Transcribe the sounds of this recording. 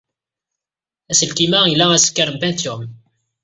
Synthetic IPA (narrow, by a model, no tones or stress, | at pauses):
æsəlkimæilːææsə̥kːəɾəmbænt̪um